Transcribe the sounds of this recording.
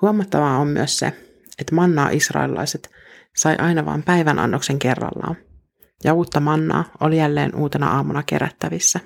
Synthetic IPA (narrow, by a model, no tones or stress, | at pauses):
huomɑt̪ːɑʋɑomːy̰əssḛ | et̪ːmɑnːɑ̰ːʔisrɑ̰jlilɑ̰jset̪ | sɑjʔɑjnɑʋɑ̰ːmpæjʋænʔɑ̰nːokse̞ŋke̞rːɑ̰lːɑ̰ːn | jɑuːt̪ːɑmɑnːɑ̰ːo̞lijælːeːnʔuːt̪enɑ̰ʔɑːmunɑke̞̰ɾæ̰t̪ːæʋisːæ